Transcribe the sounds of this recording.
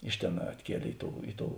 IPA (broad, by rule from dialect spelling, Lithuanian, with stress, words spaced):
ˈɪʃ ˌtʲeːn ɐtʲˈkʲiɛlʲeː ˈɪ ˌtoːʊ ˈɪ ˌtoːʊ